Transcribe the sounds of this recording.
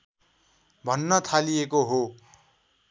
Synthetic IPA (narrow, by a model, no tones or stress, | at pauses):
bʱʌnːʌt̪ʰalijekoɦo